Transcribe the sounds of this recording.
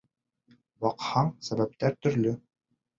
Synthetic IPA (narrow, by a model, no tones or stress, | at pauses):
wɑqhɑɴsæβæp̚t̪æɾt̪ɵ̆ɾlɵ